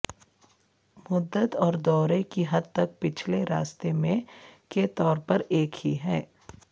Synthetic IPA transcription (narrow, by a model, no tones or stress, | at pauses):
mʊd̪ːət̪ɔːɾd̪ɔːɾekiɦɐd̪̚t̪ɐk̚pɪt͡ʃʰleɾaːst̪emẽket̪ɔːɾpɐɾeːkhiɦɛː